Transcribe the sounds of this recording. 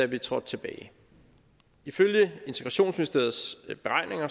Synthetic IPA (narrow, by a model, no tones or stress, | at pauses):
æʋit͡sʰʁɒ̽d̥̚t͡sʰe̝b̥ɛ̰ːɪ | iføljəe̝nt͡sʰeɡ̥ʁɑ̈ɕo̝̰ːnsminisd̥e̝ɐð̩ˠsb̥e̝ʁɑ̈ɪne̝ŋɐ